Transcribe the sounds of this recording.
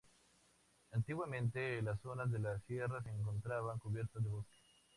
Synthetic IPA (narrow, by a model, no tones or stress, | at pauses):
ant̪iɣwamẽnt̪elas̬ːonazðelasjeras̬eːŋk̬o̞nt̪ɾaβaŋkuβjeɾt̪azðeβoske̥